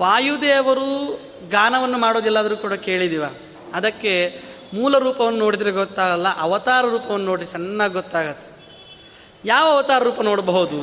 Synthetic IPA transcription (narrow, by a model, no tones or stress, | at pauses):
ʋaːjud̪eːɐʋɐɾu | ɡaːnɐʋɐnːumaːɽoːd̪ɛlːaːd̪ɐɾuːkuːɽɐke̞ːɭid̪iʋaː | ɐd̪ɐkːe̞ | muːlɐɾuːpɐʋɐnːuno̞ːɽid̪ɾeɡɔt̪ːaːɡɐlːɐʔɐʋɐt̪aːɾɐɾuːpɐʋɐnːunoːɽid̪t͡ʃɛnːaːɡɡɔt̪ːaːɡɐt̪ːe̥ | jaːʋɐɐʋɐt̪aːɾɐɾuːpɐnoːɽbɐɦud̪u